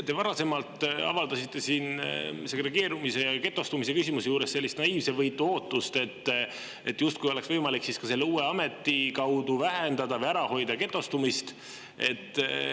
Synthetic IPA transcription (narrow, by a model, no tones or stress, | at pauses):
t̪e̞vɑɾɑse̞mɑlt̪ɑ̰vɑld̪̥ɑsit̪ˑːe̞siːnse̞ɡre̞ɡe̞ːɾumise̞ke̞t̪ːˑo̞st̪umise̞kysimuse̞juːɾesse̞lʲːist̪nɑiːvse̞vɤjt̪ːˑuo̞ːt̪ːˑust̪e̞t̪ː | e̞t̪ːˑjust̪kujo̞leksvɤjmɑliksiskɑse̞lːeuːeɑme̞t̪ːˑikɑwd̪uvæɦend̪̥ɑd̪̥ɑvɤjæɾɑho̞jd̪̥ɑke̞t̪ˑːo̞st̪umist̪ | e̞̰t̪ːˑ